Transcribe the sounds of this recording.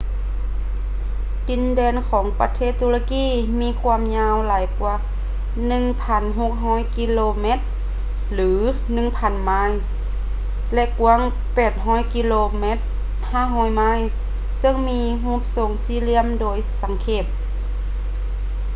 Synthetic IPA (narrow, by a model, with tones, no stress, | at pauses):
t̪i˧˥ndɛː˧˨nkʰɔː˩˦ŋpa˧t̪ʰeː˧˩˨t̪ːuː˧la˧kiː˧˥˨ | miː˧˥˨kʰu˧ə˨mɲaː˧wlaː˨˦jkwaː˧˩ | nɯ˧ŋpʰa˧˥nɦo˧k̚ɦɔː˧˥˨jki˧loː˧me˧˥t̪̚ | lɯː˩˦ | nɯ˧˨ŋpʰa˧˥˨nma˧˥˨j | lɛ˧ʔku˧˥ə˨ŋ | pɛː˨˩t̪̚ɦɔː˧˥˨jki˧loː˧me˧˥t̪̚ | haː˧˥˨ɦɔː˧˥˩jma˧˥˨j | sɤ˧˨ŋmiː˧˥ɦũː˧˥˨p̚so˧˩ŋsiː˧˥˨li˧˥əmdoː˧jsa˨˩˦ŋkʰeː˧˩p̚